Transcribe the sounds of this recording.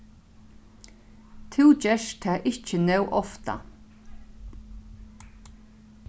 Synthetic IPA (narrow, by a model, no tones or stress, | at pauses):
t̪ʰɪwt͡ʃɛʃt̪ʰɛːʔɪt͡ʃɪnɛwʔɔft̪a̰